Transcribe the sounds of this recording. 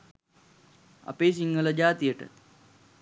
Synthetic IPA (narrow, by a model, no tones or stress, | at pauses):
ɐ̰peːs̬iŋɡələd͡ʒaːt̪ijəʈə̰t̪